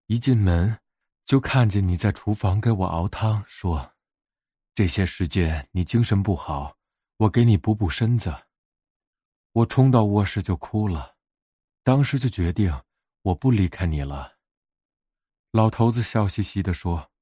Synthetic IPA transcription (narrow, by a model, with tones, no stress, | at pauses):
i˧˥t͡ɕɛ˥˩nmə˧˥n | t͡ɕjo˥˧ʊkʰa˥˩nt͡ɕjɛ˨˩ni˨˩t͡sa˥˩ɪʈ͡ʂʰu˧˥fɑ˧˥ŋke˧˥ɪwɔ̰˨˩ʔɑ̰˧˥ʊt̪ʰɑ˥ŋʂwɔ˥ | ʈ͡ʂɤ˥˩ɕjɛ˥ʂɻ̩˧˥t͡ɕjɛ˥˩nni˨˩t͡ɕi˥ŋʂə˧˥npu˥˩xɑ˨˩˦ʊ | wɔ˨˩ke˧˥ɪni˨˩pu˧˥pu˥˩ʂə˥nd͡zə˨˩ | wɔ˨˩ʈ͡ʂʰʊ˥ŋt̪ɑ˥˧ʊwɔ˥˧ʂɻ̩˥˧t͡ɕjo˥˩ʊkʰu˥lə˨˩ | t̪ɑ˥ŋʂɻ̩˧˥t͡ɕjo˥˩ʊt͡ɕɥɛ˧˥t̪i˥˩ŋ | wɔ˨˩pu˥˩li˧˥kʰa˥˧ɪni˨˩lə˦ | lɑ˨˩ʊt̪ʰo˧˥ʊt͡sɹ̩˧ɕjɑ˥˩ʊɕi˧˥ɕi˥d̪ə˨ʂwɔ˥